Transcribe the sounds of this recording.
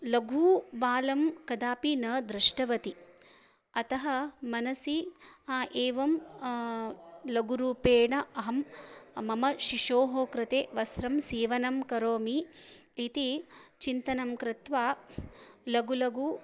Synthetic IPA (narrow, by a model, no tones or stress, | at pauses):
lɐɡʱuːʋaːlɐmkɐd̪aːpinɐːd̪ɾɪʂʈɐʋɐt̪i | ɐt̪ɐɦɐmɐnɐsiaːʔeːʋɐm | lɐɡuɾuːpeːɳɐʔɐɦɐmmɐmɐʃiʂoːɦoːkɾɪt̪eːʋɐsɾɐmseːʋɐnɐmkɐɾoːmiː | t̪it͡ʃint̪ɐnɐmkɾɪt̪ʋaː | lɐɡulɐɡu